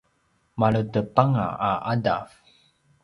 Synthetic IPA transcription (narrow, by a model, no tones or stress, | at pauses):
maɭətəpaŋa̰ːʔada̰f